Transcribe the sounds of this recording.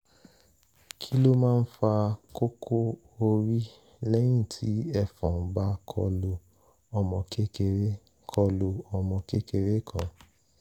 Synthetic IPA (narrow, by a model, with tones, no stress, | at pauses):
kʰi˦lo˦mãː˦˧n̩˦fa˧ko˦kʰo˦ | o˧ɾi˦ | lɛ˦j̃ĩ˦˨tʰi˨˦ɛ˦˨fɔ̃˨˦ba˦kʰɔ̰˧lo˧ | ɔ˧mɔ̃˧ke˦ke˧˨ɾe˦ | kʰɔ˧lo˧ɔ˧mɔ̃˧ke˦ke˧ɾe˦kʰã̰˨